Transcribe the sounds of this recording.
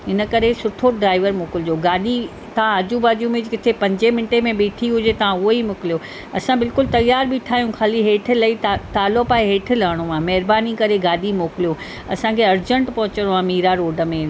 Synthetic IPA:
ɪnə̆kɐɾesʊʈʰoɖɾaːɪʋəɾmʊːkɪlɪd͡ʑoɡaːɗi | t̪ɐʋ̤ãad͡ʑubaːd͡ʑiũmẽd͡ʑkɪt̪ʰepɐ̃ɲd͡ʑemɪnʈemẽɓeːʈʰiɦʊd͡ʑet̪ɐʋ̤ãʊɦoimʊkɪlijo | ɐsãbɪlkʊlt̪ɐjːaːɾbiʈʰaːijũkʰaːliɦeːʈʰɪ̆lɐit̪aːlopaːeɦeːʈʰɪlaːɽ̃omãmɐɦɪɾbaːnikɐɾeɡaːɗimoːkɪlijo | ɐsãkʰeɐɾd͡ʑə̃ɳʈpɐɦʊt͡ɕəɽoãmiːɾaɾoːɖə̆mẽ

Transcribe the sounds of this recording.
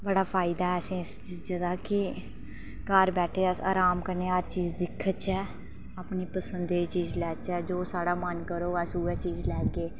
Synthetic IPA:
bəɽaːpʰaːɪd̪aːɛːsẽːst͡ʃd͡ʒəd̪aːkɪ | kəɾbɛːʈʰeːəsa̰ːɾaːmkəɾneːaɾt͡ʃiːzd̪ɪkʰːət͡ʃɛː | aːpniːpəsənd̪eːiːt͡ʃiːzlɛːt͡ʃɛːd͡ʒoːsaːɽaːmənkəɾoːɛsuːɛːt͡ʃiːzlɛːɡeː

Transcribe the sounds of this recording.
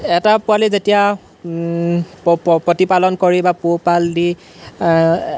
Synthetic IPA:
ɛtapʊalizetija | pɹɔtipalɔnkoɹibapupaldi

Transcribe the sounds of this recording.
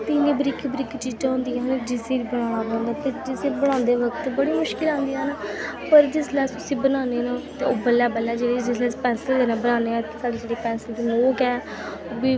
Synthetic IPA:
t̪iːnẽːbɾɪkʰbɾɪkʰt͡ʃiːd͡ʒãːɦʊ̃nd̪iːɛːnad͡ʒɪseːɾiːbəɽ̃ãːɽ̃aːbɔ̃ːnd̪aːt̪eːd͡ʒɪseːbəɽ̃ãːnd̪eːʋəkt̪bəɽiːmʊʃkɪlãːnd̪iːɦɛːnaːpəɾd͡ʒɪslɛːsʊsĩːbənaːneːnaːt̪eoːbəlːɛːbəlːɛːd͡ʒeːɽeːd͡ʒɪslɛːspɛ̃ːnsəld̪eːnãːbənaːneːɛːt̪eːsaːɖeːd͡ʒeːɽeːpɛ̃ːnsəld̪iːmoːkɛː | oːbiː

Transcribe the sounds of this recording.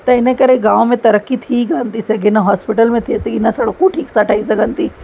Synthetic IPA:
t̪ɐɪnẽkɐɾeɡãːʋõmẽt̪ɐɾəkːit̪ʰiɡant̪iseɡinaɦaːspɪʈəlmẽt̪ʰiseɡinɐsɐɽəkːuʈʰiːksaʈʰɐisaɡɐnt̪i

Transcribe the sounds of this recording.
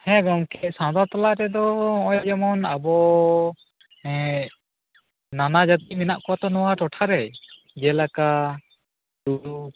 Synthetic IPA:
hɛ̃ɡɔmkɛʔ̚sãd̪aɾt̪alaʔɾɛd̪ɔɔ̃ɔjd͡ʒɛmɔnabɔ | ɛ | nanad͡ʒat̪iʔ̚minaʔkɔwat̪ɔnɔwaʈɔʈʰaɾɛj | d͡ʒɛlaka | d̪uɾu

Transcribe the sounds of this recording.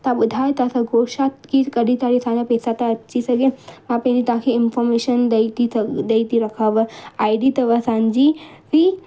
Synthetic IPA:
t̪abʊd̪ʱaːjt̪asaɡoːʃat̪kikɐɽit̪aɾisãːd͡ʑapeːsat̪aɐt͡ʃʰisɐɡemãpɐ̃nit̪ãkʰeɪnfɔɾmeʃənd̪t̪id̪eit̪iɾɐkʰaːʋəaːiɖit̪ɐʋasãɲd͡ʒi | ʋi

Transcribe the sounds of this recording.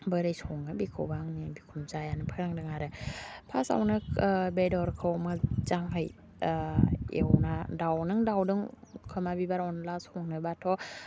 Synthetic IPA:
bəɾɯjsɔŋnɯbikʰɯwbaŋnibikʰumzajanɯpʰaɾaŋdɯŋaɾɯpʰasa̰wnɯbedɔɾkʰɯwmɯt͡ʃaŋɦɯj | ḛwnadawnɯŋdawdɯŋkʰɯmabibaɾɔnlasoŋnɯbatʰɔ

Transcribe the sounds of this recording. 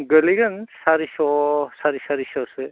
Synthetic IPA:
ɡəliɡansaɾisɔsaɾisaɾisɔsɯ

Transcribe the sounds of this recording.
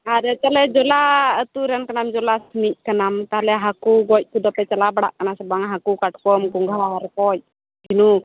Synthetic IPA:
aɾət͡ʃalɛd͡ʒɔlaət̪uɾɛnkənamd͡ʒɔlasəniʔ̚kənamt̪aɦlɛɦakuɡɔc̚kud̪ɔpɛt͡ʃəlabəɽa̰ʔkənasəbaŋɦakukaʈ̚kɔmɡuŋɡaaɾkɔj̚ | ɡinu

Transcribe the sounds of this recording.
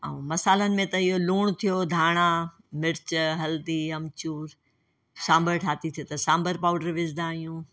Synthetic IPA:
a̰ːũmɐsaːlənɪ̆mẽt̪ɐɪɦoluːɽ̃t̪ʰijod̪ʱaːɽ̃a | mɪɾt͡ɕɦɐld̪iɐmt͡ɕuːɾ | sãːmbəɾʈʰaːt̪it̪ʰijot̪ɐsãːmbəɾpaːʊɖəɾʋɪd͡ʒd̪ãːɦijũː

